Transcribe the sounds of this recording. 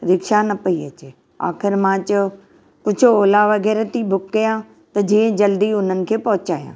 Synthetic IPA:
ɾɪkʃanɐpɐiɐ̰t͡ɕeː | a̰ːxɪɾmãːt͡ɕʊ | kʊd͡ʑʱoːlaʋɐɣɛːɾt̪ibʱʊkːijã | t̪ɐd͡ʑĩːə̃d͡ʑɐld̪iʊn̤ənɪ̆kʰeːpɐɦʊt͡ɕaːjã̰ː

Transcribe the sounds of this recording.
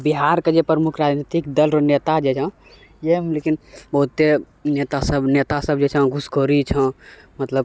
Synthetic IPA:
biɦaɾked͡ʒepɾəmukʰɾad͡ʒnit̪ikd̪əlɾonet̪ad͡ʒet͡ʃʰã | jemlekinbəɦut̪ːe | net̪asəbnet̪asəbd͡ʒet͡ʃʰə̃ɡʱuskoɾit͡ʃʰə̃ | mət̪ləb̚

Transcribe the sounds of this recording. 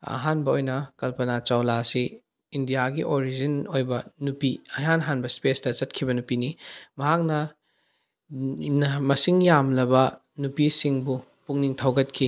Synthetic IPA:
ɐ̰ɦanbɐojnɐkɐlpɐnat͡ʃawlasi | indijaɡiʔoɾid͡ʒɐnojbɐnupiɐjanɦanbɐspestɐt͡ʃɐt̚kʰibɐnupinimɐɦak̚nɐ | mɐsiŋjamlɐbɐ | nupisiŋbu | puŋniŋtʰawɡɐt̚kʰi

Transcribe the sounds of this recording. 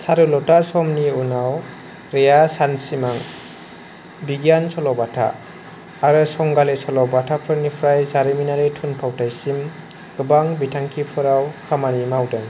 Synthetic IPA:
saɾɯlɔtasɔmniunaw | ɾejasansimaŋ | biɡjansɔlɔbatʰa̰ː | ɾɯsɔŋɡalesɔlɔbatʰapʰɯɾnipʰɾajzaɾiminaɾɯtʰunpʰawtʰajsim | ɡɯbaŋbitʰaŋkʰipʰɯɾawkʰamanimawdɯŋ

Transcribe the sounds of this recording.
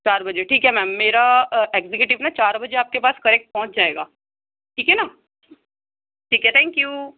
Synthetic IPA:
t͡ʃaːɾbɐd͡ʒeʈʰiːkɦɛmɛ̃ːmːeːɾaeːɡzekjuːʈɪʋnat͡ʃaːɾbɐd͡ʒeaːp̚kepaːskɐɾɛk̚ʈ̚pɔɦʊ̃t͡ʃd͡ʒaːeːɡa̰ː | ʈʰiːkɦɛnaː | ʈʰiːkɦɛt̪ʰɛ̃ːŋkjuː

